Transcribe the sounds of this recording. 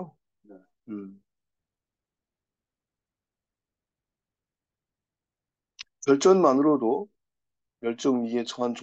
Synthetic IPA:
o | neɯ | t͡ɕʌɭt͡ɕ͈ʌnmanɯɾodo | jʌɭt͡ɕ͈ʌŋmiet͡ɕʰʌɦant͡ɕ

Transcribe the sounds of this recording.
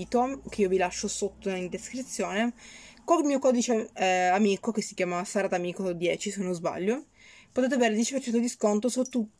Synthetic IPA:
t̪okeiːovilaʃːosot̪ːoind̪eskɾit̪sːjoːne | kolmiːokɔd̪it͡ʃeamiːkokesːi̥kjaːmasaɾad̪amiːkod̪jɛːt͡ʃisenozba̰ʎːo | pot̪et̪eaveːɾed̪jɛt͡ʃipert͡ʃɛnt̪od̪iskont̪osut̪ːu

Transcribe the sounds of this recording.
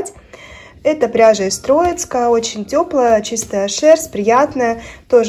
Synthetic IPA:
tʲ | ɛt̪əpɾʲaʐəɪst̪ɾo̞jɪt̪skəot͡ɕɪnʲtʲo̞plˠəjət͡ɕist̪əəʂɛrsʲpɾʲɪjat̪nəjət̪o̞ʐ

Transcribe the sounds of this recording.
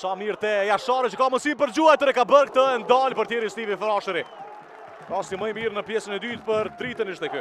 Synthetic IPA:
samiɾt̪ɛjaʃaɾət͡ʃəkaməsinpəɾd͡ʑuajt̪əɾɛkabəɾk̚t̪əɛnd̪alpəɾt̪jɛɾist̪ivifɾɔʃəɾi | asiməjmiɾnəpjɛsənɛd̪yt̪pəɾt̪ɾit̪əniʃt̪ɛky

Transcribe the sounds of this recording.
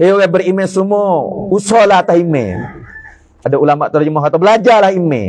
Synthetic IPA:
eokabəɾimesumousɔlahat̪aɦimḛ | adaulamaʔt̪ərd͡ʒumɔkat̪abəlad͡ʒalahimḛ

